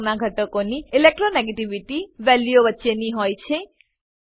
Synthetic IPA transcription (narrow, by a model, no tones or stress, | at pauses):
naɡʱəʈəkoniilek̚ʈɾoneɡeʈiʋiʈiʋɛljoʋətːʃeniɦɔjt͡ʃʰe